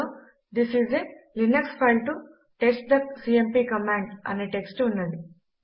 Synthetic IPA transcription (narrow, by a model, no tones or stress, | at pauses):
d̪isizelinɐkspʰɐjlʈu | ʈesʈ̚d̪ɐsiːempiːkɐmãːɳɖɐ̰neːʈeksʈunːɐɳɖi